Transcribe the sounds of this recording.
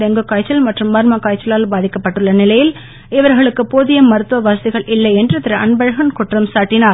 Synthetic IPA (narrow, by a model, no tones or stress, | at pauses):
ɛŋɡɯkːaːjt͡ʃːɐlmɐʈrɯmːɐɾmakːaːjt͡ʃːɐlaːlbaːðɪkːɐpːɐʈːɯɭːɐnɪlɐjɪl | ɪʋɐɾɣɐɭɯkːɯpoːðɪjɐmːɐɾɯt̪ːʋɐʋaːsɐðɪɣɐɭʔɪlːɐɪɛndrɯt̪ːɪɾɐɐnbɐɻɐɣɐnkʊʈrɐmsaːʈːɪnaːɾ